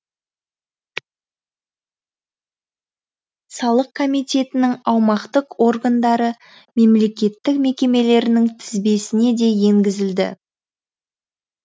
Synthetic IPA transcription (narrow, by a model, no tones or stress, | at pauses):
sɑlˠəq̚kʰo̞mijt̪ʲe̞t̪ɪnɪŋɑwmɑqt̪əqwo̞ɾɡand̪ɑɾə | me̞mle̞kʲe̞t̪ːɪkme̞kʲe̞me̞le̞ɾɪnɪŋt̪ʰɪzbe̞sɪne̞d̪e̞je̞ŋɡʲɪzɪld̪ɪ̰